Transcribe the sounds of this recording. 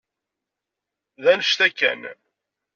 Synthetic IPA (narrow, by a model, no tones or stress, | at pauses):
ðænəʃt̪ækːæ̰n